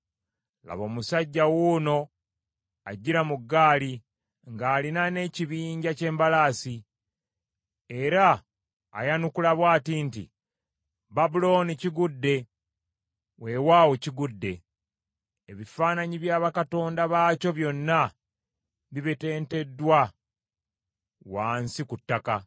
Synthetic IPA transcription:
la̰βo̞ːmusaɟːawuno̞ | a̰ɟːiɾamuɡːaːli | ŋɡaːlinane̞ciβiːɲɟace̞ːmbalaːsi | e̞ɾa̰ː | janukulaβwaːtintḭ | babulo̞ːniciɡudːe̞ | we̞waːwo̞ciɡudːe̞̰ | βifaːnaɲiβjaːβakato̞ːndaβaːco̞βjo̞nːa | βiβete̞ːnte̞dːwa | waːnsikutːaka

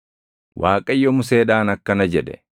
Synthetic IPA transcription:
wʔaːkʼɐjːɔmʊse̞ːᶑaːnɐkːɐnɐd͡ʒɛd̪ɛ̰

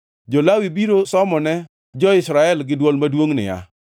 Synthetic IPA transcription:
d͡ʒɔlawibiɾosɔmɔnɛ | d͡ʒɔɪsɾaɛlɡɪdwɔlmadwoŋnɪ̰ja̰

